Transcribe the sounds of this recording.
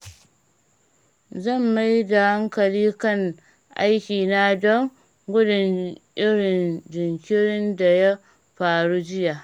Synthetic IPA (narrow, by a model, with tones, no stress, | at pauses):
zɐ˦˨mːa˦jda˨ha˦ŋkɐ˨liː˦kɐ˦˨ŋ | ʔa˦jkʲiː˨na˦dɔ˦ŋ | ɡʷʊ˦dʊ˨nʔɪ˦ɽɪ˨nd͡ʒɪ˨ŋkʲɪ˦ɾɪ˦nda˨ja˦ | ɸaː˨ɽu˦d͡ʒɪ˦ja˨ʔ